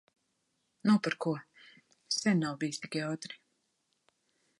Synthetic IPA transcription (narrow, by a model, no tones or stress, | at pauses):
nɔpaɾkuɔ | sʲɛnːawbiːst̪ikajawt̪ɾi̥